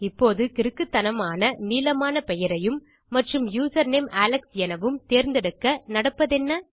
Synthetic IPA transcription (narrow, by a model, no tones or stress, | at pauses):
ɪpːoːðɯkɪɾɯkːɯt̪ːɐnɐmaːnɐniːlɐmaːnɐpɛjɐɾɐjɯmː | ɐʈrɯmjuːsɐɾneːmaːlɐksjɛnɐʋɯmt̪eːɾnd̪ɛɽɯkːɐnɐɽɐpːɐðɛnːɐ